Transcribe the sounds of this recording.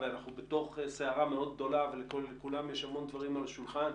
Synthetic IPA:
veanaχnubet̪o̞χseaʁameo̞d̪̚ɡ̚d̪o̞lavelekolːekulamjeʃamo̞nd̪vaʁimalaʃulχan

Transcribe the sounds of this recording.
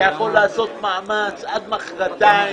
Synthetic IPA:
jaχo̞lːaːso̞t̪maamat͡sʔad̪maχʁat̪a

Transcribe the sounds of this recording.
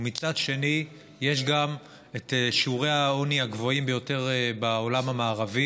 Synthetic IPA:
mit͡sad̪ʃe̞ni | je̞ʃ̬ɡam | eteʃiuʁe̞aoniaɡvo̞imbe̞jo̞te̞ʁbaolamamaːʁavi

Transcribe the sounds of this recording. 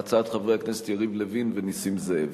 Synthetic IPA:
t͡saat̪χavʁehaknese̥t̪jaʁivlevinvenisimzeev

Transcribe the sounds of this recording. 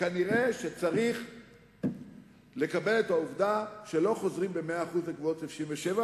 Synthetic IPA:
kaniʁe̞ʃet͡saʁiχ | le̞kabe̞let̪auvd̪aʃe̞lo̞χo̞zʁimbe̞meaːχuzlekvootefʃiɱveʃeva

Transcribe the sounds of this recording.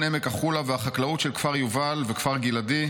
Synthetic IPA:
nemekaχulavehaχaklaut̪ʃelkfaʁjuvalvekfaʁɡiladi

